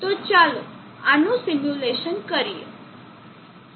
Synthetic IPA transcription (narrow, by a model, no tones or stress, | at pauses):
t̪ot͡ʃalo | anũsimjuleʃənkəɾijḛ